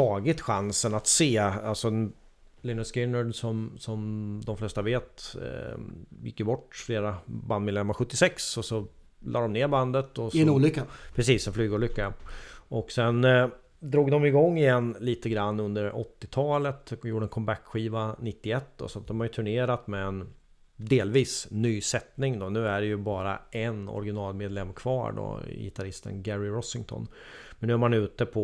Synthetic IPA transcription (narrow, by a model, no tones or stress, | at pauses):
t̪ʰɑːɡɪt̪ɧansənat̪seːalsɔ | lɪnəskɪnːəɖsɔmsɔmd̪ɔmflɛst̪aveːt̪ | jɪ̰kːəbɔʈːfleːɾaband̪mɪd̪ɛmːaɾɧɵt̪ːɪsɛksɔsɔ | lʔɑːɖ̪ɔmneːɾband̪ət̪ɔsɛnuːlʏkːapʰɾɛsiːsdɛnflyːɡuːlʏkːaʔɔksɛn | d̪ɾuːɡd̪ɔmɪɡɔŋːɪjɛnːliːt̪əɡɾanːɵnd̪əɾɔ̰t̪ːɪt̪ʰɑːlət̪juːɖəɛnkʰɔmbækɧiːvanɪt̪ːɪɛt̪ːd̪ɔ̰sɔat̪̚d̪ɔmhajɵt̪ʰɵɳeːɾat̪mɛɛn | d̪eːlviːsnːyːsɛt̪nɪŋd̪ɔnʉ̟ːæɖɛjɵbɑːɾa̰ʔɛnɔ̰ɾɪɡɪnɑːlmeːd̪lɛmːkʰv̥ɑ̰ːɖɔ̰jɪ̰t̪ʰaɾɪst̪ə̰nɡæɾɪɾɔsɪŋt̪ʰɔ̰n | mɛnʉ̟æːɾmanʉ̟ːt̪əpʰɔ